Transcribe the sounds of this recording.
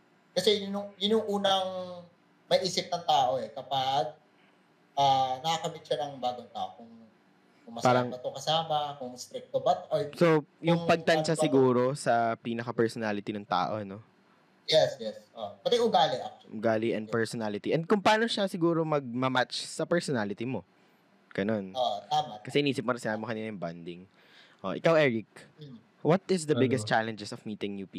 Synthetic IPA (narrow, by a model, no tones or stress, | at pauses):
kɐsɛjʊnʊŋjʊnʊŋʔuːnɐŋ | mɐjʔiːsɪp̚nɐŋt̪aːʔo̞ɛkɐpaɡ̚ | ʔaːnɐkɐkɐmɪt̪̚ʃanɐŋbaːɡoŋt̪aːʔokʊŋ | kʊŋmɐspaːɾɐŋbɐt̪okɐsaːmɐkʊŋst̪ɾɪk̚t̪obɐt̪ɐɹsojʊŋpɐɡ̚t̪ɐnʃasɪɡuːɾo̞sɐpiːnɐkɐpɛɹsonalɪt̪inɐŋt̪a̰ːʔo̞̰no̞ | jɛsjɛsʔopɐt̪ɛʔʊɡaːlɪʔak̚t͡ʃʊɡaːliʔɛ̰nd̪pɛɹsɔnaːlɪt̪iʔɛnd̪̚kʊŋpɐʔaːno̞ʃasɪɡuːɾo̞mɐɡ̚mɐmat͡ʃsɐpɛɹsɔnalɪt̪imo̞ | ɡ̥ɐno̞not̪aːmɐkɐsɛʔɪniːsɪp̚mʊɾɪŋsɪnaːbɪmokɐniːnɐjʊŋband̪ɪŋ | ʔo̰ʔɪkawɛːɹɪk̚ | wɐt̪ɪsd̪ɐbɪɡɛst̪t͡ʃalɛnd͡ʒɛsɔvmiːt̪ɪŋnuːpi